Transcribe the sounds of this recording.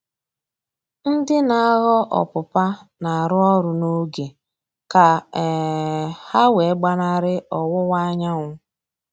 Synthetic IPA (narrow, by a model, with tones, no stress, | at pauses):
n̩˦dɪ˦na˨˦ɣɔ˦ʔɔ̰˨pʊ˨pa˦na˨a˨ɾʊ˦ɔ˦ɾʊ˨no˦ɡe˨ | ka˨ | ha˦we˨˦ɡ͡ba˦na˦ɾɪ˦ɔ˨wʊ˦wa˦ɲa˦ŋʷʊ˦